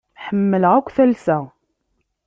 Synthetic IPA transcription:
ħəmːəlʁækʷːθælsæ

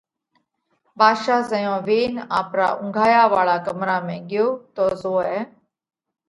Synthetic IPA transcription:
bʱaːʃaːzəjõːʋeːnaːpɾa̰ːʔʊ̃ŋɡʱaːjaːʋaːɭaːkəmɾaːmẽːɡɪjoːt̪oːzoːɛː

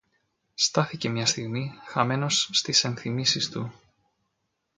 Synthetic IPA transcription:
st̪ɐθice̞mɲɐst̪iɣmixɐme̞no̞sːt̪ise̞nθimisist̪u

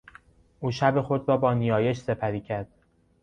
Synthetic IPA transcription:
ʔuːʃæbe̞xo̞d̪ɾɒːbɒːnijɒːje̞ʃse̞pʰæɾiːcʰæɾd̪̥

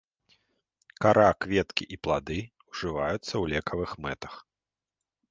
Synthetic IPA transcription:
kaɾʔakvʲɛt̪kʲiʔiplˠad̪ɨ | uʐɨvajut̪sːɐwlʲɛkʰɐvɨxmɛt̪ɐ̥x

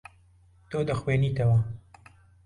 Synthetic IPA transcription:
t̪oːd̪ɐxweːniːt̪ɐwɐ

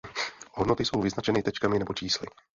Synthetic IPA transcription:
ɦodnot̪ɪso̞wvɪznat͡ʃɛnɪt̪ɛt͡ʃkamɪnɛbo̞t͡ʃiːslɪ̰

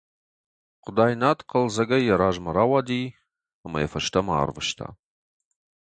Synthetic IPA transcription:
qʷʊdaːjnaːtqʰəlzɐɡɐjɛɾaːʒmɐɾaːwaːdiː | ɐmɐ̰jɛfɐʃtʰɐma̰ːrvɨʃtʰa̰ː

